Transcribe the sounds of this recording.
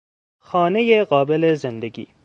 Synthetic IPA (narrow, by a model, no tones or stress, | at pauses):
xɑːnejeɣɑːbɪlezɪnd̪ɐɡḭː